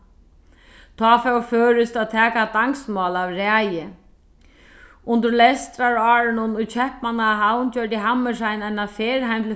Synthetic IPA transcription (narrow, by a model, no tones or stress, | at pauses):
t̪ʰɔːfɛwføːɾɪst̪aðt̪ʰɛːkat̪aŋksmɔːlavɾæːjɪ | ʊnt̪əɾlɛst̪ɾaɾɑːɾɪnʊnʊjt͡ɕʰɛhpmanaɦawnt͡ɕœːɹt̪ɪɦamːɪʂajnajnafeːɾɦajmt̪ʰ